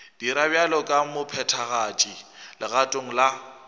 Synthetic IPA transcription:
d̥iɾabjalɔkʼamʊpʰɛtʰaɣat͡ʃʼilɪɣatʼoŋ̩la

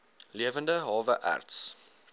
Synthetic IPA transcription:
liəvəndəɦɑːvəʔæ̰rts

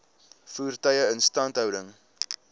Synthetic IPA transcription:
fuːrtəjəənstɐntɦœwdəŋ

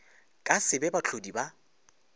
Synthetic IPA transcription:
kʼasɪbɛbat͡ɬʰodiba

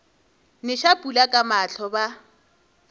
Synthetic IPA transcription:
nɪʃapʼulakʼamaɬʰɔba

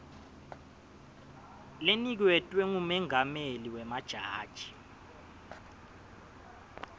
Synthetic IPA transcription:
lenik̬wɛtʼwɛŋumɛŋameliwɛmad̥ʒ̥ʱaːd̥ʒ̥ʱi̥

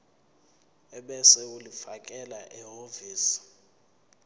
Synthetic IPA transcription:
ɛɓɛsɛulifakʼɛlaʔɛɦoviːsi̥

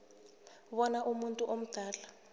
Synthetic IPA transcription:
βɔnaʔumuntʼuʔom̩d̥ʱaːla

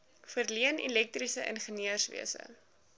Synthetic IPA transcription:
fərliənɛ̰lɛk̚trisəʔə̰nχəniərsvḭəsə̰

